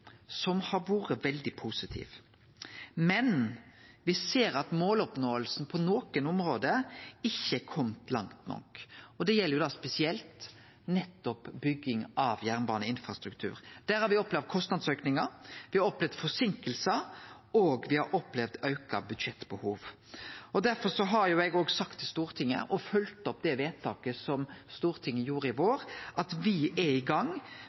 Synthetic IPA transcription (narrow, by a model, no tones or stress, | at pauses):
sɔmhɑɾʋuːɾəʋɛld̪ɪpʰuːsɪt̪ʰḭːʋ | mɛnʋɪseːɾɑt̪moːlɔpnoːəlsn̩pʰɔnoːkənʊmɾoːd̪əɪçːəkʰɔmt̪lɑŋt̪nɔ̰kɔd̪ɛjɛlːəɾjʊd̪ɑːspɛsɪɛlt̪ | nɛt̪ːɔpbʏɡːɪŋɑʋjæʁnbɑːnəɪnfɾɑst̪ɾʉkt̪ʰʉ̰ːɾd̪̥æːɾhɑɾʋɪɔplɛʋd̪̚kʰɔst̪nɑd̪søːknɪŋəɾʋɪhɑɾɔplɛʋd̪fɔsɪŋkəlsə | oːɡʋɪhɑɾʔɔplɛʋd̪ɑʉkɑbʉd̪ʃɛt̪ːbəhuːʋ | ɔd̪æɾfɔɾʂɔɦɑɾjʊɛɡoːɡsɑkt̪ʰːɪst̪uːɾt̪ʰɪŋːə̰ʔɔfœlt̪ɔp̚ːd̪ɛʋeːt̪ʰːɑːkəsɔmst̪uːɾt̪ʰɪŋːəjuːɾəɪʋoːɾʔɑt̪ʋɪʔɛɪɡɑŋ